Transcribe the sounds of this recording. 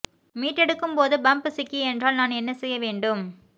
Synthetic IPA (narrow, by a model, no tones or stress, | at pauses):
miːʈːɛɽɯkːɯmpoːðɯbɐmpɯsɪkːiɛndraːlnaːnɛnːɐsɛjːɐʋeːɳɖɯm